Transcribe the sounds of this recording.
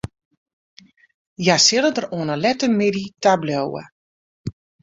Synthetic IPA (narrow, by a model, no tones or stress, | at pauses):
jasɪlədəroənəlɛtəmeditablowə̰